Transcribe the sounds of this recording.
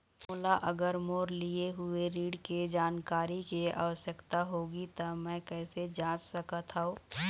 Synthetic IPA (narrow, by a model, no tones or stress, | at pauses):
mʊlaʔɐɡəɾmoːɾlieɦʊeɾiːɖked͡ʒaːnkaːɾikea̰ːʋəsjəkt̪aɦoːɡit̪ɐmɛ̃ːkɛːsed͡ʒãːt͡ʃsɐkat̪ʰaoː